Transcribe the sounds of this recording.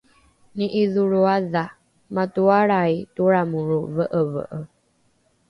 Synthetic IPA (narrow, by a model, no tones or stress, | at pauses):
niʔiðuɾuaða | matuaɾaituɾamuɾuvəʔəvə̰ʔə